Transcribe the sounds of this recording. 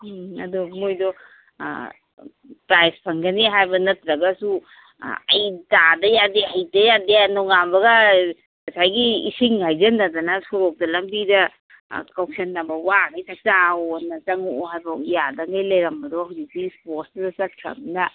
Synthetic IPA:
ɐ̰duɡimojdɔ̰ | pɾajspʰɐŋɡɐniɦajbɐnɐtɾɐɡɐsu | ɐ̰jtadɐjadeɦajdɐjadeanɔŋambɐɡɐ | kɐsʰajɡiḭsiŋhajzɐnadɐnasɔɾɔk̚dɐlɐmbidɐ | kawksenːɐbɐwaŋajsak̚taonɐt͡ʃɐŋoɦajbɐijadɐŋajlɐjɾɐmbɐdɔditisposdɐt͡ʃɐt̚kʰɾa̰mnɐ

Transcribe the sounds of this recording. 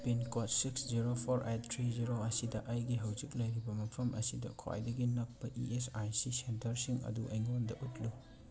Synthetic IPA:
pinkot̚siksziɾopʰoɾʔet̚tʰːɾiziɾoɐsidɐʔɐjɡiɦɐwzik̚lɐjɾibɐmɐpʰɐmʔɐ̰sidɐ̰kʰa̰jdɐɡinɐk̚pɐʔḭesajsisentʰɐɾsiŋɐ̰duɐ̰jŋondɐʔutlu

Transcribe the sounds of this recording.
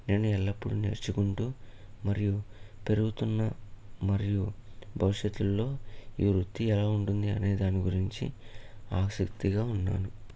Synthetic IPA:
ne̞ːnuɛlːɐpːuɽunḛːɾt͡ʃukuɳʈuː | mɐɾijupe̞ɾuɡut̪unːɐmɐɾijubʱɐʋiʂjɐt̪ːulːo̞ːiːɾut̪ːiɛlaːuɳʈund̪iɐ̰ne̞ːd̪aːniɡuɾiɲt͡ʃḭaːksikt̪iɡaːunːa̰ːnu

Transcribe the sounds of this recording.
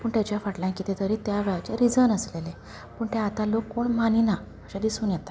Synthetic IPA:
pəːɳt̪jat͡ɕjafaʈljãkit̪et̪əɾit̪jaʋeɭat͡ɕeɾid͡zənəslele | pəːɳt̪ẽat̪alokːoɳmanina | əɕad̪isuːnjɛt̪ḁ

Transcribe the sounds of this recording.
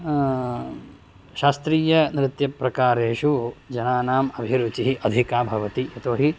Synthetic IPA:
ʃaːst̪ɾiːjɐnɾɪt̪jɐpɾɐkaːɾeːʃud͡ʒɐnaːnaːmɐbʱiɾut͡ʃiɦiʔɐd̪ʱikaːbʱɐʋɐt̪ijɐt̪oːɦi

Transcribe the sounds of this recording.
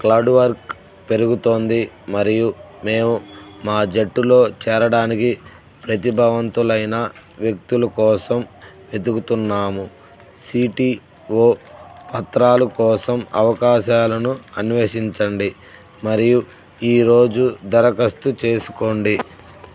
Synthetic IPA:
klaːɖʋɐɾk | pe̞ɾuɡut̪o̞ːnd̪i | mɐɾijume̞ːmumaːd͡ʒeʈːulo̞ːt͡ʃɛːɾɐɽaːniki | pɾɐt̪ibʱɐʋɐnt̪ulɐjnɐ | ʋjɐk̚t̪ulɐkɔːsɐm | ʋe̞d̪ukut̪unːaːmu | siːʈi | o̞ːpɐt̪ɾaːlɐkɔːsɐmɐʋɐkaːʃaːlɐnuɐnʋeːʃiɲt͡ʃɐɳɖi | mɐɾiju | iːɾo̞ːd͡ʒud̪ɐɾɐkɐst̪ut͡ʃe̞ːsu̥ko̞ːɳɖi

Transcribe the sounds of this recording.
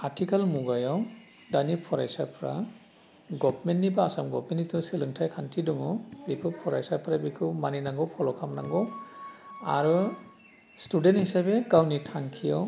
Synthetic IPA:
atʰikalmuɡajɔw | danipʰɔɾa̰jsapʰɾa̰ | ɡɔbmenːibaːsamɡɔ̰p̚menitʰusilɯŋtʰajkʰantʰiduŋɔbikʰɯpʰɔɾajsapʰɾabikʰɯmaninaŋɡɔwpʰɔlɔkʰamnaŋɡɔ | a̰ɾɯ | studenthisabeɡawnitʰaŋkʰijɔw

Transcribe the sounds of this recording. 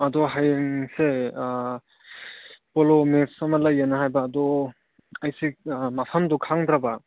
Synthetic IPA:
adɔɦajŋse | pɔlɔmetsamaləjːanaɦajbaːdɔ | ajsimapʰamdɔkʰaŋd̪ɾaba

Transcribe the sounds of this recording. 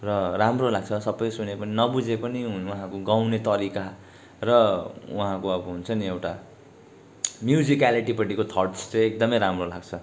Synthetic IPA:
rʌramrolaɡ̚t͡sʰʌsʌbʌjsunepʌninʌbud͡zepʌniuɦãkoɡaw̃net̪ʌɾika | rʌuɦãkoʌbʌɦunt͡sʰʌniewʈa | mjud͡zikaliʈipʌʈikot̪ʰʌʈst͡seek̚d̪ʌmʌjɾamrolaɡt͡sʰʌ

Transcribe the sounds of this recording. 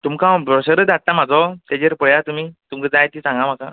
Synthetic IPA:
t̪umkãbɾɔɕəɾəd̪aʈ̚t̪amad͡zɔt̪jad͡ʑeɾpəɭjat̪umiːt̪umkəd͡zajt̪isãŋɡam̤aka̰

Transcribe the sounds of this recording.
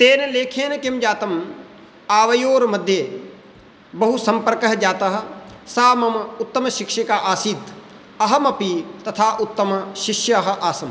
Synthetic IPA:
t̪eːnɐleːkʰeːnkɪmd͡ʒaːt̪ɐm | aːʋɐjoːɾmɐd̪ʱːjeː | bɐɦusɐmpɐɾkɐɦɐd͡ʒaːt̪ɐɦɐ̆saːmɐmʊt̪ːɐmɐʃɪkʃikaːʔaːsiːd̪ | ɐɦɐmɐpit̪ɐt̪ʰaːʔʊt̪ːɐmɐʃɪʃjɐɐɦɐ̆ʔaːsɐm

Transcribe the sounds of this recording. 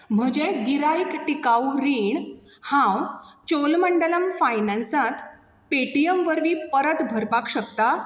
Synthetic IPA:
m̤əd͡ʑeɡiɾajikʈikawɾiɳ | hãwt͡ɕolməɳɖələmfajnãnsãt̪ | peʈijəmʋəɾʋiːpəɾət̪bʱəɾpakɕəkt̪a

